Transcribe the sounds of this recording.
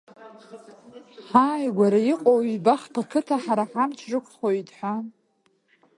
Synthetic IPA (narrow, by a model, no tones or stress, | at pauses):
ħaːjɡʷaɾaiqʼowibaχpʰakʰɨtʰaħaɾaħamt͡ʃʷʰrɨkʷʰχoitʼħʷa